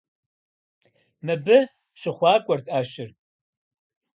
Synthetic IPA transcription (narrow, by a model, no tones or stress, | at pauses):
mɨbɨ | ʃɪχʷɑːkʷʼɔrtʼaːʃɪr